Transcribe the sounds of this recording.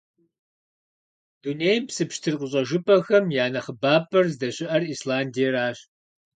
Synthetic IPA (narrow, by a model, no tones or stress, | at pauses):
d̥unejmpsɨpʃtʰɨrqəɕʼɐʒɨpʰʼɐxɐmjaːnɐχəbaːpʰʼɐrzdɐɕʼɪʔɐriːslaːndijɐraːɕ